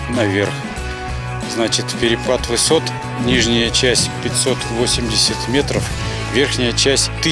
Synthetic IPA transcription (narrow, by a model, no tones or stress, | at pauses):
nɐvʲerx | znat͡ɕɪt̪pʲɪɾʲɪplˠat̪vɨso̞t̪ | nʲiʐnʲɪjət͡ɕæsʲpʲɪtʲso̞t̪vo̞sʲɪmdʲɪsʲət̪mʲe̞t̪ɾəf | vʲe̞rxnʲɪjət͡ɕæsʲtʲt̪ɨ